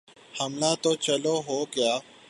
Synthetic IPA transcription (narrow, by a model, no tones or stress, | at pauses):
həmlaːt̪oːt͡ʃəloːɦoːɡɪjaː